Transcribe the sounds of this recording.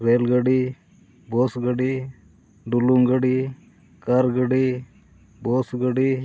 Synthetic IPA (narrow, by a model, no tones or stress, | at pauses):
ɾeːlɡəɖi | bosɡəɽi | ɖuluŋɡəɽi | kəɾɡəɽi | bosɡəɽi